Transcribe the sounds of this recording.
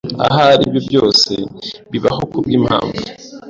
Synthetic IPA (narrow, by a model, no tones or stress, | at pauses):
a̰ɦaɾiːbjobjo̞ːse̞βiβaho̞kubɡiːmha̰ːɱvu